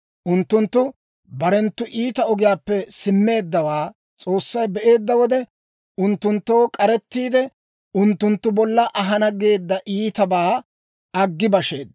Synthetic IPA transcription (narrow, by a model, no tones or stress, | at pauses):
ʔʊnt̪ːʊnt̪ːʊ | bɐɾɛnt̪ːʊʔiːt̪ɐɔɡɪjaːpːɛsɪmːe̞ːd̪ːɐwaː | t͡sʼo̞ːsːɐjbɛʔe̞ːd̪ːɐwɔd̪ɛ | ʔʊnt̪ːʊnt̪ːo̞ːkʼɐɾɛt̪ːiːd̪ɛ | ʔʊnt̪ːʊnt̪ːʊbɔlːɐʔɐɦɐnɐɡe̞ːd̪ːɐʔiːt̪ɐbaː | ɐɡːɪbɐʃe̞̰ːd̪ɐ